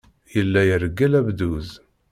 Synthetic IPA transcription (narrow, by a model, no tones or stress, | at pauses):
jəlːæjəɾɡːælæbd̪uz